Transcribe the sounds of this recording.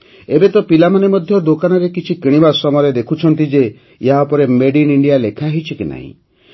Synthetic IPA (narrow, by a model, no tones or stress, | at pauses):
ebet̪ɔpilamanemɔd̪ʱjɔd̪okanɔɾekit͡ʃʰikiɽ̃ibasɔmɔjɔɾed̪ekʰut͡ʃʰɔnt̪id͡ʒe | iɦaupɔɾemeɖiniɳɖijalekʰaɦit͡ʃʰikina̰ɦḭ̃